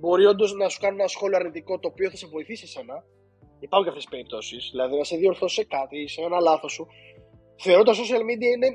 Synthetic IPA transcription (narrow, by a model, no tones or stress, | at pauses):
bo̞ɾio̞nd̪o̞znɐsu̥kɐnunenɐsxo̞lioɐɾnit̪iko̞t̪o̞ːpio̞θɐse̞vo̞iθisisenɐ | ipɐukɐft̪espe̞ɾip̚t̪o̞sisðilɐðinɐse̞ðio̞ɾθo̞se̞kɐt̪iseenɐlɐθo̞su | θe̞o̞ɾo̞t̪oso̞siɐlmid̪iɐine̞